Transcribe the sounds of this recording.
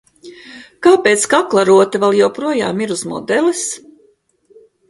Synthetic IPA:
kaːpeːt̪skaklˠaɾuɔt̪avɛlˠjɛwpɾuɔjaːmiɾuzmɔ̰d̪ɛlˠis

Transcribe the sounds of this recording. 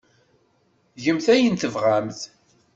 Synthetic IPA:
ʝəmθæjənt̪əvʁamθ

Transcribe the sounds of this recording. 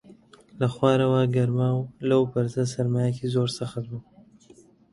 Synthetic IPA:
laxwɑːɾawaɡaɾmɑwlawpaɾzasaɾmɑjakezoɾsaxat̪bu

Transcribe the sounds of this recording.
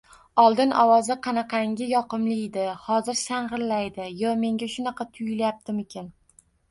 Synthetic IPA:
ɒlˠd̪ɪnɒwɒzɪqʰɑnɑqʰɑŋɡʲɪjɒqɨmlɪd̪ɪhɒzɪɾsaɴʁɨɾlajd̪ɪjɒme̞ŋɡʲaʃʊnɑqʰɑt̪ʰʊjɪljap̚t̪ʰɪmɪkʲʰɪn

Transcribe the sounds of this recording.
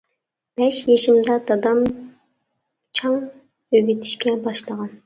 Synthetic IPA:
b̥ɛʃjeʃimd̪ɑd̪ɑd̪ɑm | t͡ʃʰɑŋ | øɡʲyt̪ʰi̥ʃkʲɛbɑʃlˠəʁɑn

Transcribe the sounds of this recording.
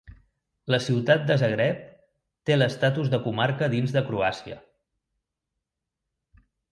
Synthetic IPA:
ləsiwt̪at̪̚d̪əzəɣɾɛp̚ | t̪eləst̪at̪uzðəkumaɾkəðinzðəkɾuasiə̰

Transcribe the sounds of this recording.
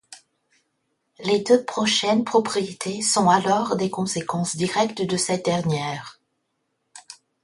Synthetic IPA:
led̪øpχɔʃɛnpχɔpχijet̪ʰesɔ̃alɔʁd̪ekɔ̃sekɑ̃sd̪iʁɛkt̪d̪əsɛt̪̚d̪ɛʁnjɛːʁ

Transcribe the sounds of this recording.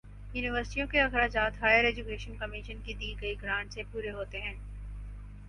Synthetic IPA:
juːnɪʋəɾsɪʈijõkeɐxɾaːd͡ʒaːt̪ɦaːjəɾɛːd͡ʒukeːʃənkɐmiʃənkid̪iːɡɐiɡʱɾãːɳʈsepuːɾeɦoːt̪eɦɛ̃ː

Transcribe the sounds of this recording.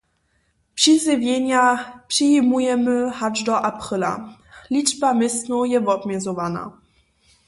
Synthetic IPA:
pʂizɘvʲjɛɲapʂiimujɛmɘhad͡ʒd̪ɔʔapχɘla̰lʲiʐbamɪsnɔjɛvɔbmʲɛzɔvana̰

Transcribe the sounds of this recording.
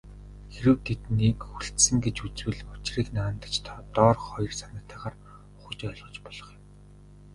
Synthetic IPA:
xeɾɘ̆wt̪ʰet̪nekxuɬt̪sɘ̆ŋɡet͡ɕut͡swɘ̆ɮʊt͡ɕriːknaːnt̪ə̥̆t͡ɕt̪ʰaːt̪ɔːrχɔj̆rsanə̆kt̪ʰæːʁaːr | ʊ̥χə̆t͡ɕɔɮʁɞ̆t͡ɕpɔɮ̥ɞ̆χjɪ̆m

